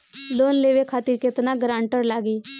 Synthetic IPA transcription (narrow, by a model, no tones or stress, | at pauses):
loːnleʋekʰaːt̪iːɾket̪naɡɾãːɳʈəɾlaːɡeː